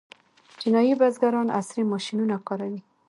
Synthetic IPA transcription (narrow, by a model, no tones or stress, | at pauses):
d͡ʒɪnɑjibazɡaɾɑna̰sɾimɔʃinunakɑɾawi